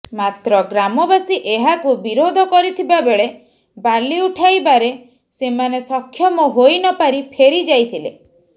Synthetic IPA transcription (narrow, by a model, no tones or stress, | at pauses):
mat̪ɾɔɡɾamɔbasiʔeɦakubiɾod̪ʱɔkɔɾit̪ʰibabeɭe | baliuʈʰajbaɾe | semanesɔkʰːjɔmɔɦojnɔpaɾipʰeɾid͡ʒajt̪ʰilḛ